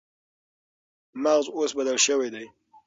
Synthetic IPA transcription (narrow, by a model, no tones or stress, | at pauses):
maɣzosbad̪alʃəwajd̪aj